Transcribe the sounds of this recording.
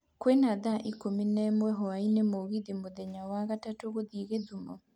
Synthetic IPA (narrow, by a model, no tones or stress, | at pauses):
kwenaðaʔikominɛmwɛɦɔainemoɣiðimoðɛɲawaɣatatoɣoðiɣeðumɔ